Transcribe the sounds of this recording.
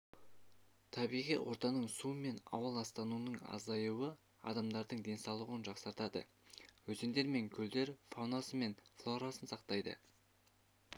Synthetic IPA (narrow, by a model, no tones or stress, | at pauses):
t̪ʰɑbijʁḭjwʔo̞ɾt̪ɑnəɴsume̞nɑ̰wəlˠɑst̪ɑnunəɴɑ̰zɑjuə | ɑ̰d̪ɑmd̪ɑɾd̪əɴd̪e̞nsɑlˠəʁənʒɑqsɑɾt̪ɑd̪ə̰ | wɵzend̪e̞ɾme̞ŋkʲʰɵld̪e̞ɾfawnasəme̞nflˠoɾɑsənsɑqt̪ɑjd̪ə̰